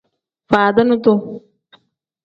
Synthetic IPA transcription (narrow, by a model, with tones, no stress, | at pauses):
faː˨d̪ɐ˦nut̪u